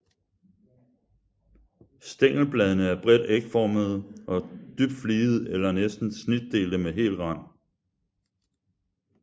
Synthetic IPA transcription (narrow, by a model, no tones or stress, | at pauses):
sd̥eŋ̰l̩b̥lɛːðˠənəæɐb̥ʁɛd̥eɡ̥fɒməð̞̩ˠʔɒ̽d̥yb̥d̥fliːð̞̩ˠelɐnesd̥n̩snid̥̚ːe̝̰ːld̥əmeɦe̝̰ːlʁɑ̈n̰